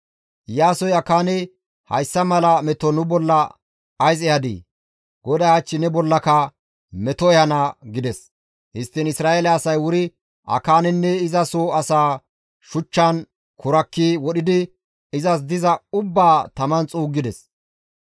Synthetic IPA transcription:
jaːsɔjɐkaːnɛ | hɐ̰jsːɐmɐlɐmɛt̪ɔnʊbɔlːɐ | ɐjzɛjɐd̪ḭː | ɡ̥ɔd̪ɐjɐt͡ʃːɪnɛbɔlːɐkɐ | mɛt̪ɔɛhɐnɐɡɪd̪ɛs | hɪst̪ːɪnɪsɾaːelɛːsɐjwʊɾɪ | ʔɐ̰kaːnɛnːɛɪzɐsoɐsaː | ʃʊt͡ʃːɐn | kʊɾɐkːiwɔɗɪd̪ɪ | ɪzɐs̬d̪ɪzɐʊbːaːt̪ɐmɐnt͡sʼuːɡːɪd̪ɛs

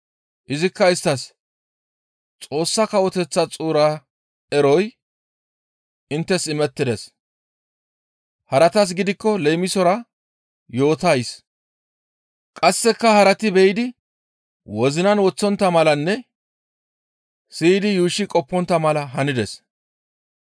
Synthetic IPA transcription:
ʔɪzɪkːɐɪst̪ːɐs | t͡sʼo̞ːsːɐkɐwɔt̪ɛt͡sːɐt͡sʼuːɾa | ɛɾɔj | ɪnt̪ːɛsɪmɛt̪ːɪd̪ɛs | hɐɾɐt̪ɐs̬ɡɪd̪ɪkːɔlɛjmɪsɔɾɐ | jo̞ːt̪ɐjs | kʼɐsːɛkːɐhɐɾɐt̪ɪbɛjɪd̪ɪ | wɔzɪnɐnwɔt͡sːɔnt̪ːɐmɐlɐnːɛ | sid̪ɪjuːʃːɪkʼɔpːɔnt̪ːɐmɐlɐɦɐnɪd̪ɛs

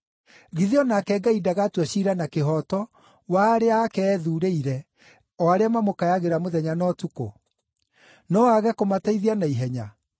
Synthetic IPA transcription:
ɣiðiɔnakɛɡaidaɣatwaɕiɾanakeɦɔtɔ | waɾeakɛːðuːɾeiɾɛ | ɔaɾeamamokajaɣeɾamoðɛɲanɔtuko̰ | nɔwaɣɛkomataiðianaiɦɛɲa

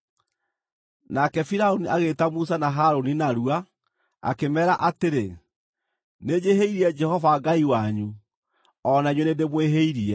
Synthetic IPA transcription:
nakɛfiɾaoniʔaɣetamus̬anaɦaɾoninaɾua | a̰kemɛːɾaʔateɾe | ned͡ʑeɦeiɾiɛd͡ʒɛhɔvaɡaiwaɲu | ɔnaɲwenedemweɦeiɾiɛ

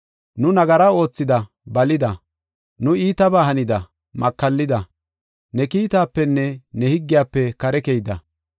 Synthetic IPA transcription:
nʊnɐɡɐɾɐo̞ːt͡sːɪd̪ɐ | bɐlɪd̪ɐ | nʊiːt̪ɐbaːhɐnɪd̪ɐ | mɐkːɐlːɪd̪ɐ | nɛkiːt̪aːpːɛnːɛnɛhɪɡːɪjaːpːɛkɐɾɛkejd̪ɐ̰

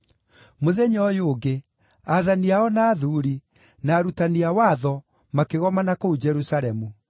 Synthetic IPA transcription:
moðɛɲɔjoːɡe | aðaniaɔnaːðuːɾi | naːɾutaniawaːðɔ | makeɣɔmanakoud͡ʒɛɾusaɾɛmu

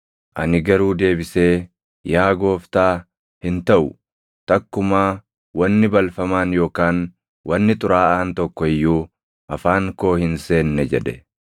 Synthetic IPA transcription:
ʔɐ̰nɪɡɐɾuːd̪e̞ːbɪse̞ː | jaːɡo̞ːft̪aː | hɪnt̪ɐʔʊ | t̪ɐkːʊmaː | wɐnːɪbɐlfɐmaːnjo̞ːkaːn | wɐnːɪt̪ʼʊɾaːʔaːnt̪ɔkːɔɪjːuː | ʔɐfaːŋko̞ːhɪnse̞ːnːɛd͡ʒɛ̰ᶑɛ

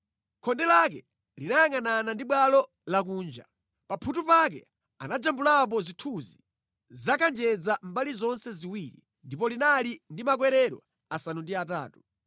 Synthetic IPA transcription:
kʰɔndɛlak̬ɛ̰ | linajaŋananandiɓwalɔ | lak̬uːnd͡ʒa̰ | papʰutupak̬ɛ̰ | a̰nad͡ʒambulap̬ɔzitʰuzi | zakʰand͡ʒɛd͡zam̩balizɔnsɛziwiːɾḭ | ndipɔlinalindimak̬wɛɾɛɾwa̰ | asanundiata̰ːtu̥

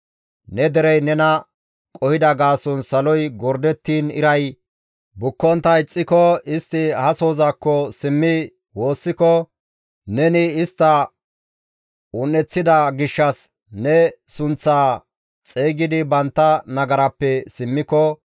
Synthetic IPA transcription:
nɛd̪ɛɾɛjnɛnɐ | kʼɔhɪd̪ɐɡaːsɔnsɐlɔjɡɔɾd̪ɛt̪ːiːnɪ̰ɾɐj | bʊkːɔnt̪ɐɪt͡sʼːɪkɔɪst̪ːɪhɐso̞ːzaːkːɔsɪmːɪ | wo̞ːsːɪkɔ | nɛnɪɪst̪ːɐ | ʊnːɛt͡sːɪd̪ɐɡɪʃːɐs | nɛsʊnt͡sːaː | t͡sʼeːɡɪd̪ɪbɐnt̪ːɐnɐɡɐɾɐpːɛsɪmːɪkɔ

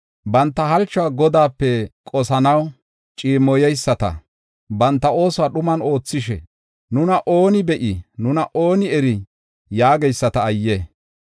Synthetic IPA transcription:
bɐnt̪ːɐɦɐlt͡ʃːɔwaːɡɔd̪aːpːɛkʼɔsɐnɐw | t͡ʃʼiːmːɔjɛjsːɐt̪ɐ̰ | bɐnt̪ːɐo̞ːsɔwaɗʊmɐno̞ːt͡sːɪʃɛ̰ | nʊnɐʔo̞ːnɪbɛʔɪnʊnɐʔoːnɪɛɾɪ | jaːɡɛjsːɐt̪ɐːjːɛ

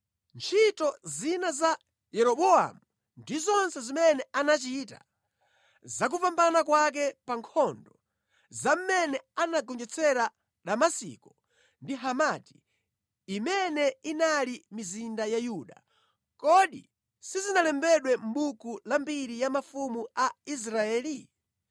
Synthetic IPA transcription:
nt͡ʃʰitɔzinaza | jɛɾɔɓɔa̰mu | ndizɔnsɛzimɛnɛanat͡ʃita̰ | zak̬upambanakwak̬ɛpaŋkʰɔndɔ | zam̩mɛnɛanaɡɔnd͡ʒɛt͡sʰɛɾa | ɗamasḭkɔ | ndiɦamati̥ː | mɛnɛinalimizindajajuːɗa̰ | kɔɗi | sizinalɛmbɛɗwɛm̩ɓukulambiɾijamafumuais̬ɾaɛːli

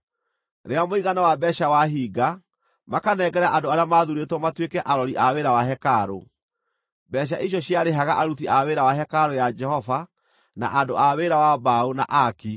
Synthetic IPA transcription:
ɾeamoiɣanawabɛɕawaɦiːɡa | makanɛɡɛɾaʔadoaɾeamaðuɾetwɔmatwekɛʔaɾɔɾiʔaweɾawaɦɛkaɾo̰ | bɛɕ̬aʔiɕjɔɕjaɾeɦaɣaʔaɾut̬iʔaweɾawaɦɛkaɾojad͡ʒɛhɔva | na̰ʔandoaweɾawabauna̰ʔaki

